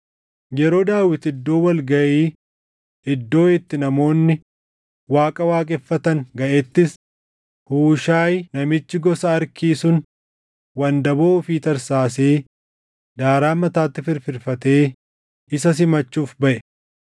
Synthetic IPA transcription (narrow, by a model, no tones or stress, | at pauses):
jɛɾo̞ːd̪aːwɪt̪ɪd̪ːo̞ːwɐlɡɐʔeː | ɪd̪ːo̞ːɪt̪ːɪnɐmo̞ːnːɪ | waːkʼɐwaːkʼɛfːɐt̪ɐŋɡɐʔet̪ːɪs | huːʃaːjnɐmɪt͡ʃːɪɡɔsɐːɾkiːsʊn | wɐnd̪ɐboːʊfiːt̪ɐɾsaːseː | d̪aːɾaːmɐt̪aːt̪ːɪfɪɾfɪɾfɐt̪e̞ː | ɪsɐs̬ɪmɐt͡ʃːuːfbɐʔɛ